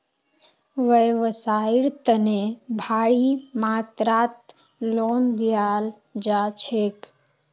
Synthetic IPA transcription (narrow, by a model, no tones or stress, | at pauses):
ʋəʋəsaiɾt̪ənebʱaɽimat̪ɾat̪ | lond̪ijal | d͡ʒat͡ʃʰek